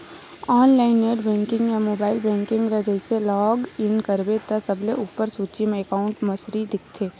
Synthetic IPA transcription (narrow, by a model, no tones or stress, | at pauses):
ɔːnlaːɪneɖbɛ̃ːŋkɪ̃ŋɡjamoːbaːɪlbɛ̃ːŋkɪ̃ŋɡɾɐd͡ʒəɪselɔːɡɪnkɐɾbet̪ɐsɐbleʔuːpːəɾsuːt͡ʃimẽɛkaːʊ̃ɳʈmɐsɾid̪ɪk̚ʰt̪ʰeː